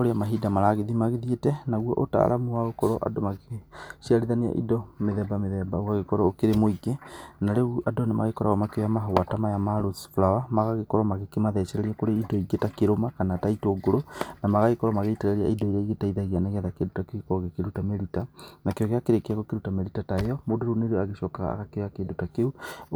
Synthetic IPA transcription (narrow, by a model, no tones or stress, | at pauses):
oɾeamaɦidamaɾaɣeðimaɣeðietɛnaɣwɔ̰ʔota̰ːɾʔamuaokɔɾɔʔa̰domaɣeʃiaɾiðanea̰ʔḭdɔmeðɛbameðɛbaoɣaɣekɔɾɔokeɾemoiɡenaɾeʔadonema̰ɣekɔɾaɣɔmakeojamaɦowatamajamaɾosfuɾawamaɣaɣekɔɾɔmaɣekemaðɛt͡ʃɛɾɛɾiakoɾeidɔiɡetakeɾomakanataitoːɡoɾonamaɣaɣekɔɾɔmaɣeitɛɾɛɾia̰idɔiɾaiɣetaiðaiɣianaɣɛðakedotakeekɔɣekeɾutameɾitanakeɔɣeakeɾekeakokeɾutameɾitataejɔmodoɾuneɾeɔaɣeʃɔkaɣa̰a̰ɣakeɣakeːdotakeu